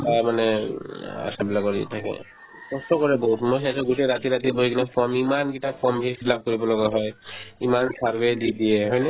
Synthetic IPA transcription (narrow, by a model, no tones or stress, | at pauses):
tajmanɛ | a̰sabilakɔɹḭtʰakɛ̰ | ɔstɔkɔɹɛbɔɦutmojɦɛasɔɡuteɹat̪iɹat̪iboɦiknapʰɔɹmimanɡitapʰɔmbʱisilab̚koɹibɔlɔɡaɦɔjimansaɹbedidiɛɦɔjnɛ